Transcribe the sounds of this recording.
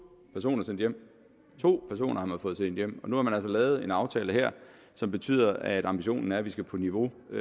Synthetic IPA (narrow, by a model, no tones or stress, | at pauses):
pʰæɐso̝̰ːnɐsen̰d̥jem̰ | t͡sʰo̝̰ːpʰæɐs̬o̝̰ːnʔɐhɑ̈mænfɔ̽ːð̩ˠsen̰d̥jem̰ɒ̽nuhɑ̈mænæl̰sɒlɛːð̞̩ˠe̝nɑ̈ʊt͡sʰɛːləɦeɐ̰ | sɒ̽mb̥e̝t͡sʰy̰ð̞̰ˠɐʔæd̥ɑ̈mb̥iɕo̝̰ːnn̩æɐʋisɡ̥æpʰɒ̽niʋo̝